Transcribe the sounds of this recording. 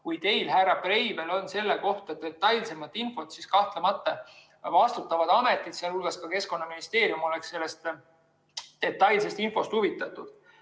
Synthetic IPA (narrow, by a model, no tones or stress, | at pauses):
kujt̪e̞jlɦæɾɑb̥re̞jbe̞lo̞nse̞lːeko̞ht̪et̪ːe̞t̪ːˑɑjlse̞mɑt̪ːˑinfo̞t̪siskɑht̪lemɑt̪ˑːɑ | vɑst̪ut̪ːˑɑvɑd̪ɑme̞t̪ːˑid̪̥siɑlhulɡ̥ɑskɑke̞sko̞nːɑminist̪e̞ːɾjumo̞le̞ksse̞lːe̞st̪ | d̪̥e̞t̪ːˑɑjlse̞st̪info̞st̪huvit̪ːˑɑt̪ːˑud̪̥